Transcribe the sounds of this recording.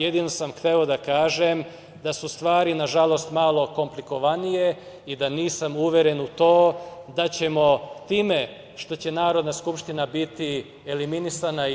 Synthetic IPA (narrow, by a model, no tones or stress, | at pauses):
jed̪ino̞samxt̪eo̞d̪akaːʒem | d̪asust̪ʋaːɾinaʒalo̞st̪malˠo̞ko̞mpliko̞ʋanije̞ | id̪aniːsamuʋjeɾe̞nut̪o̞ːd̪at͡ɕe̞mo̞t̪iːme̞ | ʃt̪o̞t͡ɕe̞naːɾo̞d̪naskupʃt̪inabit̪i | eliminisana